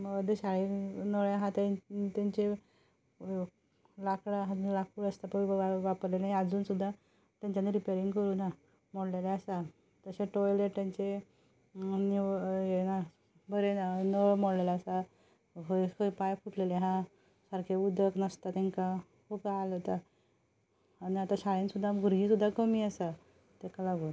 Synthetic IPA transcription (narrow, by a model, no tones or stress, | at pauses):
md̪eɕaɭenəɭjaɦãt̪at̪aɲt͡ɕe | lakɽaɦãlakʰuːɭəst̪apəəaʋapəɾlenajad͡zuːnsud̪ʱːa | t̪jãɲt͡ɕaniɾipeɾiŋɡkəɾuːna | m̤əɽleleasa | t̪əseʈɔjleʈt̪jaɲt͡ɕe | nijena | bəɾenəmoɽlelaːsa | ɦokəipajfuʈleleɦã | saɾkʰeud̪ʱəknəst̪at̪ɛŋka | kubaalot̪a | niat̪aɕaɭensud̪ʱːaɡʱuɾɡiːsud̪ʱːakəmiːasa | t̪ekalaɡu